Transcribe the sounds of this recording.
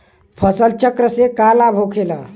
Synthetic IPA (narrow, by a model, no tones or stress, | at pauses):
pʰəsəlt͡ʃəkɾəsekalabʱokʰela